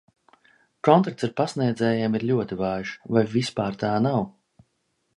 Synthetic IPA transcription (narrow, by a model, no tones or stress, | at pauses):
kɔnt̪akt̪saɾpasniɛd̪zʲɛːjeːmiɾlʲuɔt̪ivaːʒvajvispaːɾt̪aːnaw